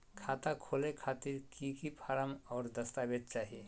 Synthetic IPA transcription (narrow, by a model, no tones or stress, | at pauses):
kʰaːt̪akʰolekʰaːt̪iɾkikipʰaːɾəmɔːɾd̪əst̪abed̪̚t͡ʃaːɦie